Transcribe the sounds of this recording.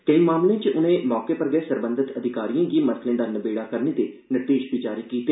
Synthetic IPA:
k̪ẽĩmaːmlẽːt͡ʃəʔʊnẽːmɔːkeːpəɾɡɛːsəɾbə̃nd̪ʱɪt̪əd̪ʱɪkaːɾijãːɡiːməɾt̪ʰlẽːd̪aːnəbeːɽaːkəɾneːt̪eːnəʈeːʃbiːd͡ʒaːɾiːkiːt̪eː

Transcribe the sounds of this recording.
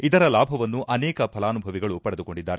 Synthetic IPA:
id̪ɐɾɐlaːbʱɐʋɐnːuʔɐnɛːkɐpʰɐlaːnubʱɐʋiɡɐɭupɐɽed̪uko̞ɳɖid̪ːaːɾe

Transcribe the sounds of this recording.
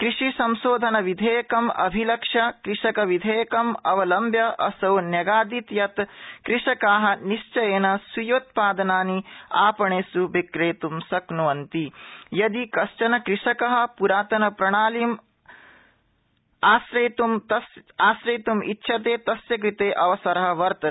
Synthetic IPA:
kɾiʂisɐmsoːd̪ʱɐnɐʋid̪ʱeːjɐkɐmɐ̰bʱilɐkʂɐkɾiʂɐkɐʋid̪ʱeːjɐkɐmɐʋɐlɐmbʱjɐʔɐ̰sɐwnjɐɡaːd̪it̪jɐt̪kɾiʂɐkaːɦɐ̆niʃt͡ʃɐjeːnɐsujot̪̚paːd̪ɐnaːniaːpɐɳeːsubikɾeːt̪umsɐknuʋɐnt̪ijɐd̪ikɐʃt͡ʃɐnɐkɾiʂɐkɐɦɐ̆puɾaːt̪ɐnɐpɾɐɳ̃aːliːm | aːsɾeːt̪umt̪ɐsaːsɾeːt̪umḭtːʃʰɐt̪eːt̪ɐsjɐk̬ɾit̪eːʔɐʋɐsɐɾɐɦɐ̆ʋɐɾt̪ɐ

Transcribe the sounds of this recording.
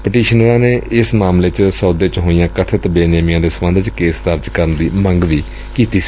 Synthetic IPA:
pəʈiːʃənəɾãːneːɪsmaːmleːt͡ʃsɔːd̪eːt͡ʃɦoːijãːkət̪ʰət̪beːneːmijãːd̪eːsəmə̃nd̪ət͡ʃkeːsd̪əɾd͡ʒkəɾənd̪iːməŋɡʋiː | kiːt̪i̥ː

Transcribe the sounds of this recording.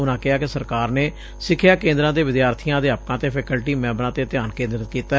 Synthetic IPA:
ʊnãːkɪɦaːkɪsəɾkaːɾneː | sɪkʰɪjaːkẽːnd̪ɾãːd̪eːʋɪd̪jaːɾt̪ʰijãːd̪eːaːp̚kãːt̪eːpʰɛːkəlʈiːmɛ̃ːbɾãːt̪eːət̪ɪjaːnkẽːnd̪ɾət̪kiːt̪aː

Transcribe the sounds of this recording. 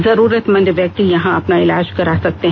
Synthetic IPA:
zɐɾuːɾət̪mɐ̃nd̪ʋjɐk̚t̪ijɐɦãɐpnaɪlaːd͡ʒkɐɾasɐk̚t̪eɦ

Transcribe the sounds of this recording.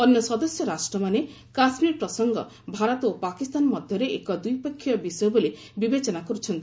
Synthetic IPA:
ɔnjɔsɔd̪ɔsjɔɾasʈɾɔmane | kasmiɾpɾɔsɔŋɡɔ̰ | bʱaɾɔt̪opakist̪anmɔd̪ʱjɔɾeʔḛkɔd̪ujpekʰːjɔbisɔjobole | bibet͡ʃɔnakɔɾut͡ʃʰɔnt̪i

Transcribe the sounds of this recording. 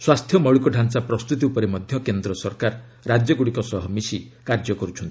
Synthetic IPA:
swast̪ʰjɔmɔɭikɔɖʱansapɾɔst̪ut̪iupɔɾemɔd̪ʱjɔkend̪ɾɔsɔɾkaɾ | ɾad͡ʒjɔɡuɽikɔsɔɦɔmisikaɾd͡ʒɔkɔɾut͡ʃʰɔnt̪i̥

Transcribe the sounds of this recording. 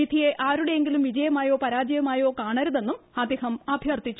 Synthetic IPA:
id̪ʱije̞ʔaːɾuɽe̞jeŋɡilumʋid͡ʑɐjɐmaːjo̞ːpɐɾaːd͡ʑɐjɐmaːjo̞ːkaːɳɐɾuðe̞nːumɐd̪eɦɐmɐbʱjɐrt̪it͡ɕːu̥

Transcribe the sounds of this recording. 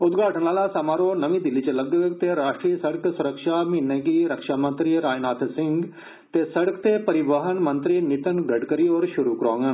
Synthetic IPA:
ʊt̪ɡaːʈənaːlasamaːɾoːnəʋĩːd̪ɪlːiːt͡ʃələɡət̪eɾaːʃʈɾiːəsəɽəksʊɾəkʃaːmĩːnẽːɡiːɾəkʃaːmə̃nt̪ɾiɾaːnaːt̪ʰsɪ̃ŋɡ | t̪eːsəɽəkt̪eːpəɾɪʋaɦənmə̃nt̪ɾiːnɪt̪ənɡəɖkəɾiːoːɾʃʊɾuːkəɾoːŋɡən

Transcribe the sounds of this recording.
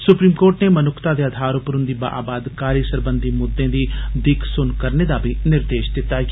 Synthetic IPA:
sʊpɾiːmkoːɾʈneːmənʊkʰt̪aːd̪eːəd̪ʱaːɾʊpəɾʊ̃nd̪iːba̰ːʔa̰ːbaːd̪kaːɾjəsəɾbənd̪iːmʊd̪ːẽːd̪iːd̪ɪkʰsʊnkəɾneːd̪aːbʱinɪɾd̪eːʃd̪ɪt̪ːaː

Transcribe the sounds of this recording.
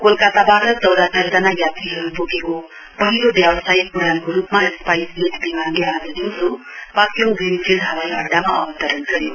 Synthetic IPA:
kolkat̪abaɾʌtʌwd̪asʰʌɾd͡zanajat̪iɦʌɾubokeko | pʌɦiɾobjabʌsajkuɾankoɾupmaespajsɡet̪bimanbead̪ʌdoɾo | pakjoŋɡrinipʰild̪ʱɦʌwajʌ̰ɖːamaʌbʌt̪ʌɾʌnɡʌɾjo

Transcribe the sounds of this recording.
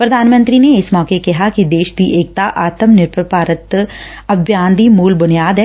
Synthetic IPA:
pɾɐd̪ʱaːnmə̃nt̪ɾineɪsmɔːkekɐɦakid̪eːʃd̪iʔeːk̚t̪aʔaːt̪əmnɪɾpɾpaːɾət̪ | ɐbjãːnd̪imuːlbʊnijaːd̪ɦɛː

